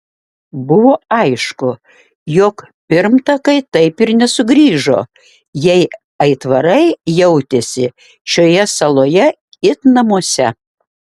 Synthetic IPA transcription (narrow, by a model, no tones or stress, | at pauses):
bʊʋoːɐɪʃkʊ | jɔk | pʲɪɾmt̪ɐkɐɪt̪ɐɪpɪɾnʲɛsʊɡɾʲiːʒo̰ː | jɛɪ | ɐɪt̪ʋɐɾɐɪjɛʊt̪ʲesʲɪ | ʃʲoːjɛsɐlˠoːjɛ | ɪt̪nɐmuɔsʲɛ